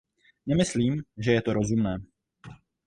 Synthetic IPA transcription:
nɛmɪsliːmʒɛjɛt̪oɾo̞zumnɛː

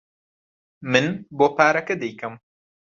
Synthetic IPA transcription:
mɨnboːpaːɾɐkɐd̪ɛjkɐm

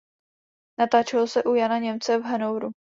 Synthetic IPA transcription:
nat̪aːt͡ʃɛlosɛʔujanaɲɛmt͡sɛvɦanowɾu

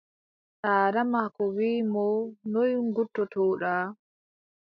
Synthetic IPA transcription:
saːɾamakɔwiːmɔnojŋɡutːɔtɔːɗa

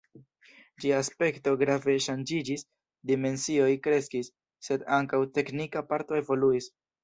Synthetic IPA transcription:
d͡ʒiaːspe̞kto̞ɡɾave̞ʃand͡ʒid͡ʒis | dime̞nsio̞jkɾe̞skisː | e̞daŋkawte̞knikapaɾto̞e̞vo̞luis

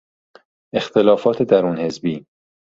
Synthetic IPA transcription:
ʔe̞xt̪ʰe̞lɒːfɒːt̪ʰed̪æɾuːnhe̞zbiː

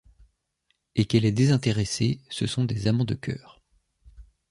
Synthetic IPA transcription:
ekɛlɛd̪ezɛ̃t̪eʁesesəsɔ̃d̪ezamɑ̃d̪əkʲʰœ̰ːʁ

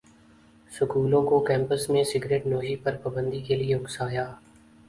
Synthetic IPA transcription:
sʊkuːlõkokɛ̃ːmpəsmẽsɪɡɾeːʈnoːɦipɐɾpɐbə̃nd̪ikelieʊɡsaːjaː

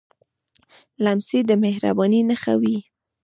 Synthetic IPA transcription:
lamsid̪əmehɾa̰bɑninəxa̰wi

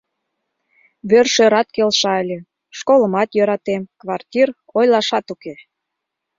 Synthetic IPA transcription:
βørʃøɾɑt̪kelʃɑəlʲĕ | ʃkoləmɑt̪jø̆ɾɑt̪emkβɑrtʲir | ojlɑʃɑt̪uke

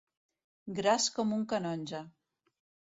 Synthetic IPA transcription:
ɡɾaskɔmuŋkanɔnʲʒa

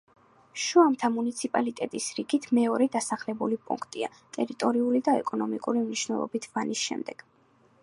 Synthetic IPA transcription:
ʃuamt̪ʰamunit̪sʰipʼalit̪ʼɛt̪ʼisɾiɡit̪ʰmɛɔɾɛd̪asaχlɛbulipʼṵŋkʰt̪ʼia̰ | t̪ʼɛɾit̪ʼɔɾiulid̪aɛkʼɔnɔmikʼuɾimniʃnɛlˠɔ̰bit̪ʰvanisʃɛ̰md̪ɛɡ̥

